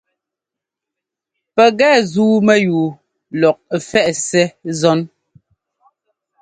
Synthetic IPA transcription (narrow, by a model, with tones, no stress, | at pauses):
pɛ˨ɣɛː˦˨zuː˦mɛ˦juː˨ | lɔ˨k̚fɛ˦ʔsɛ˦zɔ˦n